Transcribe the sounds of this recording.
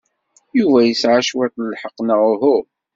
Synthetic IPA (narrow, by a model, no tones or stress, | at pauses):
juvæjəsʕaʃwæt̪ləlħəqːnəʁɦu